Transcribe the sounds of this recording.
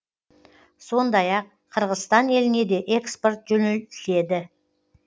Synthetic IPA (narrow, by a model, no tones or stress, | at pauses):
so̞nd̪ɑjɑqʰːəɾʁəzst̪ɑne̞lɪne̞d̪e̞ʔekspo̞rt̪̚ʒɵnelɪse̞d̪ɪ